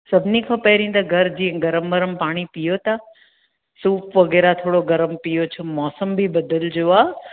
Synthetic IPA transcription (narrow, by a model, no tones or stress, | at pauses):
sɐbʱɪnikʰãːpɐɦɾĩːt̪ɐɡʱɐɾd͡ʑiːɦɛ̃ɡɐɾəmʋɐɾəmpaːɽ̃ipijot̪a | suːpʋɐɣɛːɾat̪ʰoːɽoɡɐɾəmpijot͡ɕʰomɔːsəmbʱibɐd̪əld͡ʑoaː